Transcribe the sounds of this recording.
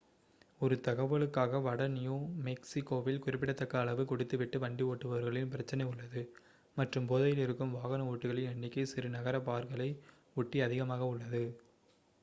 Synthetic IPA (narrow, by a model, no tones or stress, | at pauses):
ɔɾɯt̪ɐɣɐʋɐɭɯkːaːɣɐʋɐɽɐnɪjoːmɛksɪkːoːʋɪlkʊrɪpːɪɽɐt̪ːɐkːɐːɭɐʋɯkʊɽɪt̪ːɯʋɪʈːɯʋɐɳɖioːʈːɯʋɐʋɐɾɣɐɭɪnpɪɾɐt͡ʃːɐnɐɪʊɭːɐðɯ | mɐʈrɯmpoːðɐjɪlɪɾɯkːɯmʋaːɣɐnɐuːʈːɯɣɐɭɪɐɳːɪkːɐɪsɪɾɯnɐɣɐɾɐpaːɾkɐɭɐɪ | ʊʈːiɐðɪɣɐmaːɣɐʊɭːɐðɯ